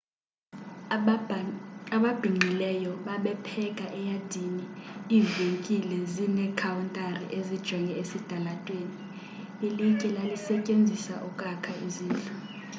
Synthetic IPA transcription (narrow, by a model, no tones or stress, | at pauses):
aɓab̥ʱiŋ͡ǃʱilɛjɔɓaɓɛpʰɛkʼaʔɛjad̥ʱiniiːveŋkʼilɛzinɛkʰawuntʼarḭʔezid̥ʒ̥ʱwɛŋɛesid̥ʱalatʼweːni | ɓilikʼɛlalisɛcʼend͡zʱisa̰ʔukʼakʰaiziːntʼu